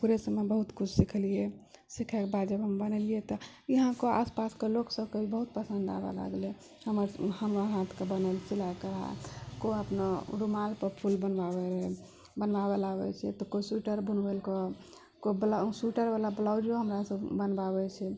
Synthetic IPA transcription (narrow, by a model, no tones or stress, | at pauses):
puɾesəmːebəɦut̪kut͡ʃʰsikʰlijesikʰɛkebad̪d͡ʒəbɦəmbənliet̪ɔ | iɦãkoa̰spaskeloksəbkebibəɦut̪̚pəsə̃nd̪a̰ba̰la̰ɡle | həməɾhəmɾaɦãt̪ʰkebənəlsilaekəɦa̰koəpnaɾumalpəɾpʰulbənbabeɾɦɛ | bənʋabelabɛ̰t͡ʃʰɛt̪ɔkosuʈəɾbʱunbelkɔ | kobəlasuʈəɾʋalabəlawd͡ʒioɦəmɾasəbbənbabɛt͡ʃʰɛ